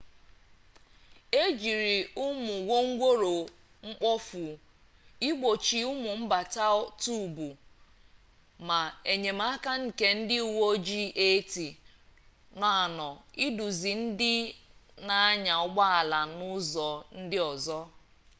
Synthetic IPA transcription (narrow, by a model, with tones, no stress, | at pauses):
e˦d͡ʒi˨ɾi˨ʊ˦mʊ˨wo˦ŋ̩˦ɡʷo˦ɾo˨ | ŋ͡m̩˦k͡pɔ˦fu˨ | i˦ɡ͡bo˨t͡ʃi˨ʊ˦mʊ˨m̩˦ba˨ta˦tu˦˨bu˨ | ma˨e˨ɲe˨ma˦a˦ka˦ŋ̩˨ke˦n̩˦dɪ˦u˨wo˦d͡ʒi˦ʔe˦ti˨ | na˨a˨nɔ˨i˦du˨zi˨n̩˦dɪ˦na˦a˦ɲa˨ɔ˦ɡ͡ba˦a˨la˨nʊ˦zɔ˨n̩˦dɪ˦ɔ˨zɔ˦